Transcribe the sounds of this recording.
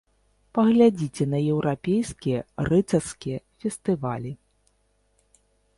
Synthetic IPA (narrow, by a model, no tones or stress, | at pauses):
pɐɣlʲad͡zʲit͡sʲɛnɐjɛwɾapʲejskʲijɐrɨt̪sɐrskʲijɐfʲɛst̪ɨvalʲi